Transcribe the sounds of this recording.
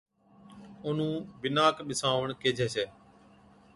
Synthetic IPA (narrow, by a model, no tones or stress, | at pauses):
ʊn̤ũːbɪnaːkɓɪsaːʋəɳkeːd͡ʒʱeːseː